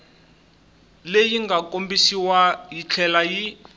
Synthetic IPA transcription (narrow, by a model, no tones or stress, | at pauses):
lejiŋɡakombisiwajit͡ɬʰɛlaji